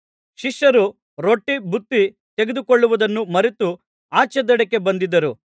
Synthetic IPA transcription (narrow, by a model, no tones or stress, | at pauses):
ʃiʃjɐɾu | ɾoʈːibʱut̪ːi | t̪e̞ɡed̪ukoɭːuʋud̪ɐnːumɐɾet̪u | aːt͡ʃɛd̪ɐɽekːe̞bɐnd̪id̪ɐɾu